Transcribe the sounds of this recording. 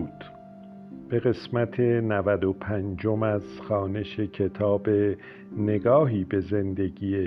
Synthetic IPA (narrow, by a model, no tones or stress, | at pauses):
d̪̥ | b̥e̞ɣe̞smæt̪ʰe̞nævæd̪opʰænd͡ʒo̞mæz̥xɒːne̞ʃe̞cʰe̞t̪ʰɒːbe | ne̞ɡɒːɦiːbe̞ze̞nd̪e̞ɡiːe